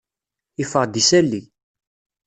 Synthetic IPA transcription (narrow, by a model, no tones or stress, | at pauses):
ifəʁd̪isælːi